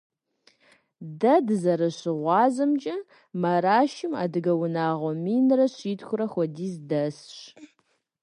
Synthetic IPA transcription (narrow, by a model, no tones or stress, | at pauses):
dɐdɨzɐɾɐɕɪʁʷɑːzɐmt͡ʃʼɐ | mɐɾaːʃɪma̰ːdɨɡɐwʊnaːʁʷɔmiːnrɐɕiːtxʷʊɾɐxʷɔdiːzdɐsɕ